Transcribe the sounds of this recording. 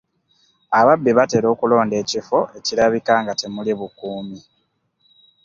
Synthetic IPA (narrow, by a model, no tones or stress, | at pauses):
aβabːiβate̞ːɾo̞ːkulo̞ːnde̞ːcifo̞ʔe̞ciɾaβikaŋɡate̞muliβukuːmi